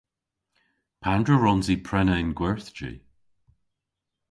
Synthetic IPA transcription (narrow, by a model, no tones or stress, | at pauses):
pʰandɹəɹɔnzipʰɹɛnəɪnɡwɛɹθd͡ʒḭ